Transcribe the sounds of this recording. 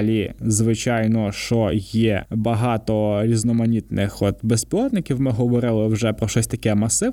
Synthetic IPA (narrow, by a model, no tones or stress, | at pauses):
lʲizʋɪt͡ʃɑjnɔʃt͡ʃɔjɛbɐɦɑt̪ɔɾʲiznɔmɐnʲit̪nɪxɔt̪bespʲilˠɔt̪nɪkʲiwmɪɦɔʋɔɾɪlˠɪwʒɛpɾɔʃɔsʲt̪ɐkɛmɐsɪ